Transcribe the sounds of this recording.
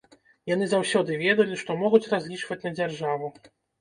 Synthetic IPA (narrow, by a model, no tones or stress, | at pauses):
jan̪ɨzawsʲɔd̪ɨvʲɛd̪ɐlʲiʂt̪ɔmɔɣut͡sʲrazʲlʲit͡ʂvɐt͡sʲnɐd͡zʲarʐavu